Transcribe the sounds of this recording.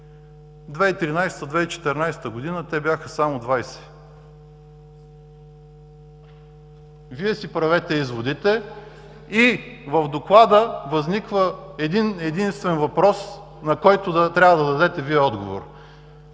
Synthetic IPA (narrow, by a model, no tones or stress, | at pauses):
d̪vɛit̪ɾinajst̪əd̪vɛit͡ʃɛ̥t̪ɛɾnajsɛ̥t̪əɡʊd̪inət̪ɛbʲjaxəsamʊd̪vajsɛ̥ | viɛsipɾɐvɛt̪ɛizvod̪it̪ɛ | ivəvd̪oklˠad̪əvɐznikvəɛd̪inɛd̪inst̪vɛnvɐpɾɔs | nɐkɔjt̪ʊd̪ɐt̪ɾʲabəd̪ɐd̪ɐd̪ɛt̪ɛviɛɔd̪ɡovo̰ɾ